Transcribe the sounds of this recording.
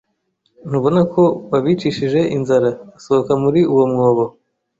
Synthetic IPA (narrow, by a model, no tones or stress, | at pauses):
n̥uβo̞nakʰo̞βaβit͡ʃiʃiʒe̞ʔinzaɾaːso̞hokamuɾiuwo̞mŋo̞ːβo